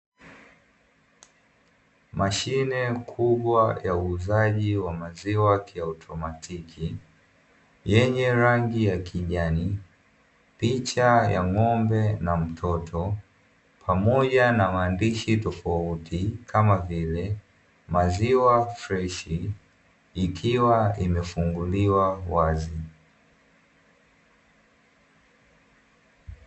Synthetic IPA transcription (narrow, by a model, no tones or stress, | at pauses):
maʃinɛkʰuɓwajauːzaʄiwamaziwakiawtʰɔmatʰikʰi | jɛɲɛɾaŋɡijakʰiʄani | pit͡ʃajaŋɔmbɛnam̩tʰɔtʰɔ | pʰamɔʄanamaːndiʃitɔfautʰikʰamavilɛ | maziwafɾɛʃiː | kʰiwaimɛfuŋɡuliwawazi